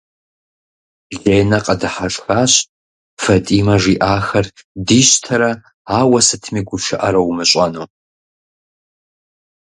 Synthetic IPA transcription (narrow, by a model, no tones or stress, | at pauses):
ɮeːnɐqʼɐdɨħaʂʼxaːɕ | fɐtʼiːmɐʒiʔaːxɐrdiːɕtʰɐɾɐ | aːwɐsɨtʰmiːɡʷʊʃɐʔɐɾɐwmɨɕʷʼɐnoː